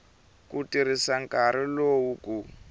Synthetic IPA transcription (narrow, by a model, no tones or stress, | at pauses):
kutiɾisaŋkʼaɾilowuku